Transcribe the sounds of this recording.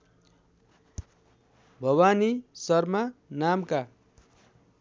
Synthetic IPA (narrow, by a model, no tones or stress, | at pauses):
bʱʌwanisʌrmanamka